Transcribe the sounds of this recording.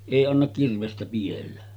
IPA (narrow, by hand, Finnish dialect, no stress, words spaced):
eˑi ɑnːɑk kirʋestæ pij̆elːæ